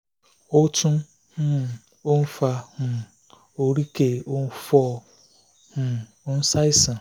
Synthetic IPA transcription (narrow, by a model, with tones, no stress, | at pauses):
o˦tu˦ | h̩˦ | o˦n̩˦fa˦hʊ˨ | o˦ɾi˦ke˨o˦n̩˦fɔ˦ | hʊ˨˦ | n̩˦sa˦i˦sa˨